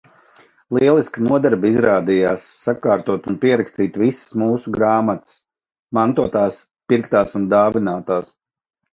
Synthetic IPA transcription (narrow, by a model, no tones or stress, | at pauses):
lˠiɛlˠisknuɔd̪ɛɾbizɾaːd̪ijaːsːakaːɾt̪uɔt̪unpiɛɾakst̪iːt̪vissmuːsuɡɾaːmat̪s | mant̪uɔt̪aːs | piɾkt̪aːsund̪aːvinaːt̪aːs